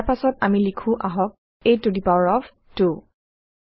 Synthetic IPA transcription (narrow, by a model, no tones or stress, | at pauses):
apasɔtamilikʰũʔaɦɔk̚ | ejtudipaɹɔv | tu